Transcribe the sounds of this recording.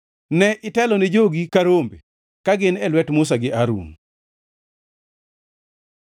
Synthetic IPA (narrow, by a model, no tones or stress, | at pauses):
nɛʔɪtɛlɔnɪd͡ʒoɡikaɾombe | kaɡɪnɛlwɛtmʊs̬aɡɪʔaɾṵn